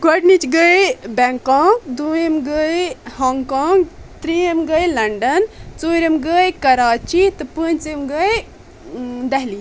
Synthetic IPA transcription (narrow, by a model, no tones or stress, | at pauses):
ɡɐɖnit͡ʃɡəjbeŋkaːŋɡd̪uːjemɡəjhoːŋɡkaːŋɡt̪ɾiemɡəjlɐɳɖɐnt͡soːɾemɡəjkɐɾaːt͡ʃit̪ɨpənt͡simɡəj | d̪ɐɦli